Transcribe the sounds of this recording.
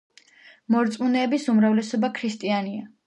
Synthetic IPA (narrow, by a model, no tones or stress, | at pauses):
mɔɾt̪sʼmunɛːbisumɾavlɛsɔbakʰɾist̪ʼiania